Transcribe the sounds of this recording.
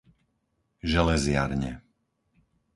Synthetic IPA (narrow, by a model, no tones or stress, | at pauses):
ʒɛlɛzɪaɾɲɛ̰